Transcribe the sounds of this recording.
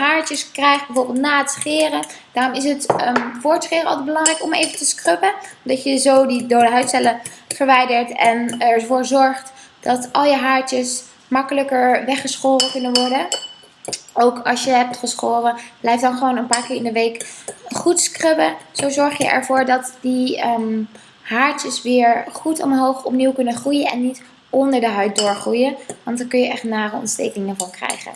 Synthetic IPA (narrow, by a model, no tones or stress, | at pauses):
ɦaːɹtəskrɛjχd̚bɛvoːrbɪlˠtnaːətsχɪːrə | d̥aːrɔmɪs̬ətəfoːɹtsχɪːrəɑ̰lˠtəbəlɑŋrɛjkɔmḛjvəntəskrøpədɑtjəzowdidowdəɦœɥtsɛləv̥əɹʋɛjdəɹtɛnɛɹvoːɹzɔɹχtd̥ɑtɑlˠjəɦaːɹtəs | mɑkələkəɹʋɛχəsχoːrəkɵnənʋɔɹdə | owkɑsjəɦɛp̚tχəsχoːrəb̥lɛjfdɑnχəʋownənpaːɹkɪːɹɪndəʋejkχutskrøbəz̥owzɔɹχjə̰ʔɛ̰ɹvʊːɹdɑtdi | ɦaːɹtəsʋɪːɹχutɔ̰mɦowχɔpniwkɵnənχrujənɛ̰nːit | ʔɔndəɹdəɦœɥt̚dʊːɹχrujənʋɑntdəɹkɵnjəʔɛχtnaːrəɔ̰ntstḛjknɪŋəvɑnkrɛ̰jχə̰n